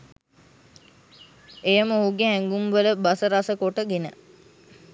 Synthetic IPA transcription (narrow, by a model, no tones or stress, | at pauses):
ejəməuːɡeɦæŋɡumʋələbasəɾasəkoʈəɡenə